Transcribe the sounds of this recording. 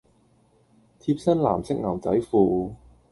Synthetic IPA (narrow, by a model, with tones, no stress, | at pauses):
t̪ʰiː˧p̚sɐ˥nla̰ː˨˩msɪ˥k̚ŋɐ˨˩wt͡sɐ˨˥jfuː˧